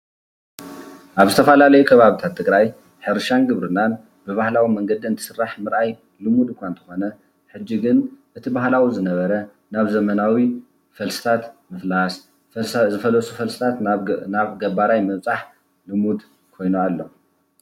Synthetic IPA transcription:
ʔaβzɨt̪ʰɐfɐlalɐjukʰɐβaβit̪ʰat̪ʰːɨɡɾaj | ħɨɾʃanɡɨβɾɨnːan | bɨβahlawimɐŋɡɐd̪iɨnt̪ʰɨ̥sɨrːaħmɨɾʔaj | lɨmud̪kʷʰant̪ʰɐ̥xo̞nɐ | ħɨd͡ʒːiɡɨnʔɨt̪ʰibaɦlawizɨnɐβɐɾɐ | naβzɐmɐnawi | fɐlsɨ̥t̪ʰat̪mɨflas | zɨfɐlɐsʼufɐlsɨ̥t̪ʰat̪naβɡɐbaɾajmɐβt͡sʼaħ | lɨmud̪ | kʰo̞jnualːo̞̰

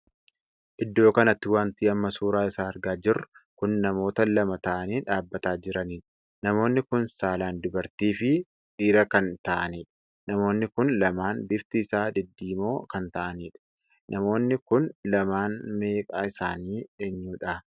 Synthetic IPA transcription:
ʔɪd̪ːo̞ːkɐnɐt̪ːɪwaːnt̪iːɐmːɐsuːɾaːɪsaːɐɾɡaːd͡ʒɪrːʊkʊnːɐmo̞ːt̪ɐlɐmɐt̪ɐʔɐniːᶑaːbːɐt̪aːd͡ʒɪɾɐniːᶑ | nɐmo̞ːnːɪkʊnsaːlaːnd̪ʊbɐɾt̪iːfɪ | ʔiːɾɐkɐnt̪ɐʔɐniːᶑ | nɐmo̞ːnːɪkʊnlɐmaːnbɪft̪ɪːsaːd̪ɪd̪ːiːmo̞ːkɐnt̪ɐʔɐniːᶑɐ̥ | nʔɐmo̞ːnːɪkʊnlɐmaːnme̞ːkʼaːɪsaːniːeɲːuːᶑɐ

